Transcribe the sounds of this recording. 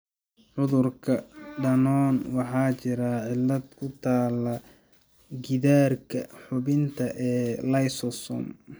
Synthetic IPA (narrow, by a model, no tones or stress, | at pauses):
ʕʊðʊrkʰɐɖɐnɔːnwɑħɑːt͡ʃɪɾɐʕɪlːɐd̪kʰʊt̪ʰaːlɐ | ɡɪðaːrkʰɐħʊβɪnt̪ʰɐʔɛːlɐjsɔsɔ̰m